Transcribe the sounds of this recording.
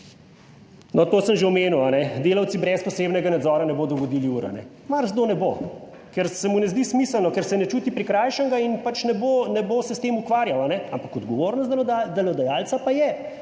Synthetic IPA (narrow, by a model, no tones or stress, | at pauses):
nɔt̪oːsəmʒeɔmeːnuwanɛd̪eːlawt̪sibɾɛspɔseːbnɛɡanad̪zɔːɾanɛboːd̪ɔɡɔd̪iːliuːɾa̰nɛ̰ | maɾzd̪onɛbo | kɛɾsɛmunɛzd̪ismiːsəlnɔkɛɾsɛnɛt͡ʃuːt̪ipɾikɾajʃəŋɡainpat͡ʃnɛboːnɛboːsɛst̪emukʋaːɾjawanɛampakɔd̪ɡɔʋoːɾnɔst̪d̪ɛlɔd̪ajaːlt̪sapajɛ